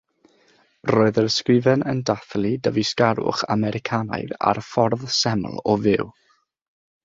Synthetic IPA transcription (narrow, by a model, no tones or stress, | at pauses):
rɔːɨðərskrɪvɛnəndaθlˠidəviskaɾʊ̰χa̰mɛɾɪkʰana̰jða̰rfɔrðsɛmlˠɔvɪw